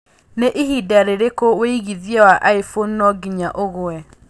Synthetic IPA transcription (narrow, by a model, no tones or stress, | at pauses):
neʔihidaɾeɾekoweiɣiðjɛwaʔaifonːɔɡiɲaʔoɣoɛ